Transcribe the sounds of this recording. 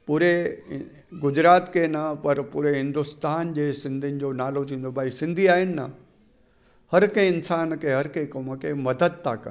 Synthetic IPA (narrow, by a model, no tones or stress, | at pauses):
puːɾe | ɡʊd͡ʑɾaːt̪kenɐpɐɾpuːɾeɦɪ̃nd̪ʊst̪aːnd͡ʑeːsɪ̃nd̪ʱinɪ̆d͡ʑonaːlot̪ʰĩːnd̪obʱaːisɪ̃nd̪ʱiaːɦɪnɪ̆nɐ̰ | hɐɾkẽɪnsaːnkʰeɦɐɾkẽkoməkʰemɐd̪əd̪̚t̪ʰa̰ːkɐ̰